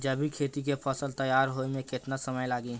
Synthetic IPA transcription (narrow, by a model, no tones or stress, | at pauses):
d͡ʒɐbʱikʰeːt̪ik̬epʰɔːsəlt̪əjaːɾɦoemẽkɪt̪nasɐməjlaːɡiː